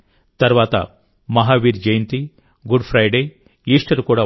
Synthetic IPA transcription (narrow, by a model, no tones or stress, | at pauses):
t̪ɐɾʋaːt̪a̰ | mɐɦaʋiɾd͡ʒɐjnt̪i | ɡuɖfʰɾajɖe | iːʂʈɐɾkuɽa